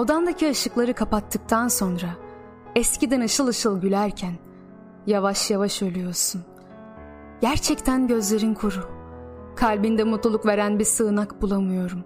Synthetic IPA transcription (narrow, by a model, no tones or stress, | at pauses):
o̞d̪and̪acʰiaʃɯklˠaɾɯkʰapat̪ʰːɯk̚t̪ʰanso̞nɾa | ɛscid̪ɛnɯʃɯlˠɯʃɯlˠɟylʲæɾcʰæn | javaʃjavaʃølʲyjo̞ɾsun | ɟ̥æɾt͡ʃʰɛct̪ʰænɟø̞zlʲe̞ɾinkʰoɾukʰalʲbind̪ɛmut̪lˠulˠukve̞ɾænbiɾsɯːnakbulˠamɯjo̞ɾum